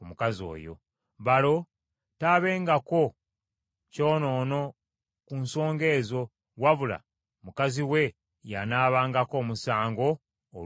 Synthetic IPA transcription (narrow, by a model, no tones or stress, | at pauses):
mukazo̞̰ːjo̞̰ | βalo̞ | taːβe̞ːŋɡako̞ | co̞ːno̞ːno̞ | kunso̞ːŋɡe̞ːzo̞ | waβula̰ | mukaziwe̞ | janaːβaːŋɡako̞ːmusaːŋɡo̞̰ː